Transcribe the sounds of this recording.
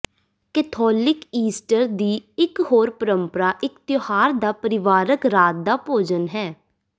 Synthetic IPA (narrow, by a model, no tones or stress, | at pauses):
kɛːt̪ʰɔːlɪkiːsʈəɾd̪iːɪkɦoːɾpəɾəmpəɾaːʔɪkt̪johaːɾd̪aːpəɾɪʋaːɾəkɾaːt̪̚d̪aːpoːd͡ʒənɦɛː